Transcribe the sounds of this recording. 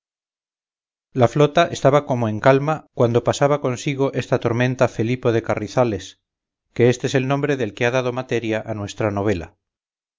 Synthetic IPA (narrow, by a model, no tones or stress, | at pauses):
laflo̞t̪aʔe̞st̪aβako̞moe̞ŋkalmakwan̪d̪o̞pasaβako̞nsiɣ̞o̞ʔe̞st̪at̪o̞ɾmẽ̞nt̪afe̞lipo̞ð̞e̞kariθale̞s | ke̞est̪eese̞lnõ̞mbɾe̞ðe̞lkeaðað̞o̞mat̪e̞ɾjaʔanwe̞st̪ɾano̞β̞e̞la̰